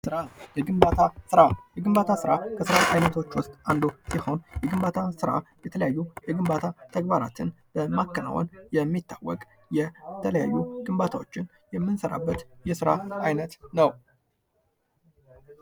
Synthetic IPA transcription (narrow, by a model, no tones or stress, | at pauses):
sɨɾajɛɡɨmbat̪ʰasɨɾajɛɡɨmbat̪ʰasɨɾakʰəsɨɾaajnət̪ʰo̞t͡ʃːwʊst̪ʼand̪osiho̞njɛɡɨmbat̪ʰasɨɾa̰jɛt̪ʰələjajːujɛɡɨmbat̪ʰat̪ʰəɡbaɾa̰t̪ʰɨnb̥əmakːəna̰wɔ̰njɛmːit̪ːawːɔ̰kʼ | jɛt̪ʰələjajːuɡɨmbat̪ʰawot͡ʃːɪn | jɛmːɨnsəɾa̰bːət̪jɛsɨɾa̰ajnət̪nəw